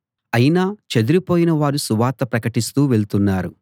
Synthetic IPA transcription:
ɐjinaːt͡ʃed̪uɾipoːjinɐʋaːɾusuʋaːt̪ɐpɾɐkɐʈist̪uːʋe̞ɭt̪unːaːɾu

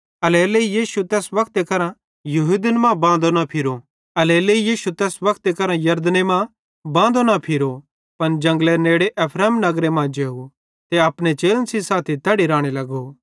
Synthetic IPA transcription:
ɐleːleijiːʃut̪ɛːsʋɐkʰt̪ekɐɾã | juɦud̪ənmãːbãːnd̪onapʰɪɾo | ɐleːleijiːʃut̪ɛːsʋɐkʰt̪ekɐɾãjɐɾd̪nemã | bãːnd̪onapʰɪɾo | pɐnd͡ʒɐ̃ŋɡleneːɽeʔɐpʰɾɛːmnɐɡɾemãːd͡ʒeːɦu | t̪eapɽ̃et͡ʃeːlənsisaːt̪ʰit̪ɐːɽiɾãːɽ̃elɐɡo

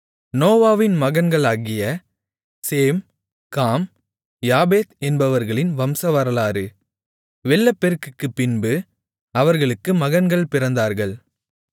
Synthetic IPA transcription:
noːʋaːʋɪnmɐɣɐnɡɐɭaːɣɪjɐ | seːm | kaːm | jaːbeːt̪ɛnbɐʋɐɾɣɐɭɪnʋɐmsɐʋɐɾɐlaːɾɯ | ʋɛɭːɐpːɛɾkːɯkːɯpːɪnbɯ | ɐʋɐɾɣɐɭɯkːɯmɐɣɐnɡɐɭpɪɾɐnd̪aːɾɣɐɭ

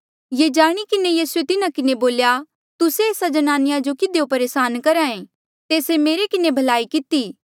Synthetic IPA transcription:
jed͡ʒaːɽ̃ikɪnejiːsuet̪ɪnakɪneboːlja | t̪ʊseeːsad͡ʒɐnaːnɪjad͡ʒokɪd̪eopɐɾeːsaːnkɐɾaẽ | t̪eːsemeːɾekɪnebʱɐlaːikɪt̪iː

